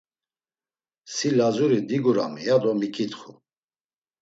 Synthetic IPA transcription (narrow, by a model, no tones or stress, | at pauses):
silazuɾid̪iɡuɾa̰mijad̪ɔmikʼʰit̪χu